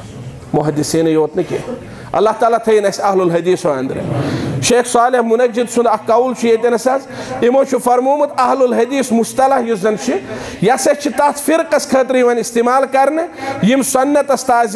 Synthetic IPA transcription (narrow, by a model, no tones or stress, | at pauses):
mʊɦɐd̪isiːnɐjoːt̪nɨkʲḛ | ɐ̰lːaːht̪aːlaːt̪ʰɐjinɐsɐɦlulɦɐd̪iːsoɐ̰nd̪ɾɐ̰ʃeːxsaːlehmunɐd͡ʒid̪sund̪ɐkːɐult͡ʃʰijet̪inɐsɐzimoːt͡ʃʰufɐɾmuːmɐt̪ɐɦlulɦɐd̪iːsmust̪ɐlɐhjizɐnt͡ʃʰijɐsɐt͡ʃʰit̪ɐt̪ʰfiɾqɐskʰɐːt̪̬ɾiːʋɐnist̪imaːlkɐɾnɨjimsɐnːɐt̪ɐst̪aːz